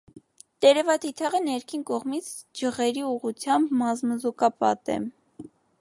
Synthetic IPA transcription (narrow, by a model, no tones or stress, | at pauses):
t̪ɛɾɛvɑt̪ʰit̪ʰɑʁənɛɾkʰinkɔʁmit͡sʰd͡ʒəʁɛɾiuʁut͡sʰjɑmbmɑzməzukɑpɑ̰t̪ɛ̰